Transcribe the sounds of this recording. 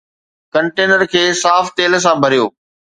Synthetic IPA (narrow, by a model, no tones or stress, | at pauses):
kɐ̃ɳʈeːnəɾkʰeːsaːft̪eːls̬ãbʱɐɾijo̰ː